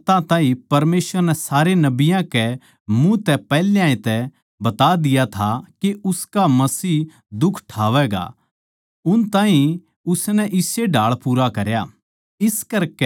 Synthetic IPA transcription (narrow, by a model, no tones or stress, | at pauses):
t̪ãt̪ãːĩpɐɾmeːsʋəɾnɛsaːɾenɐbɪjãkɛ | mũt̪ɛpɛːlejãːĩt̪ɛ | bɐt̪ad̪ɪjat̪ʰakeʊskamɐsiː | d̪ʊkʰʈʰaːʋɛɡa̰ | ʊnt̪ãːɦĩ | ʊsnɛʔɪseɖʱaːɭpuːɾakɐɾja | ɪskɐɾkɛ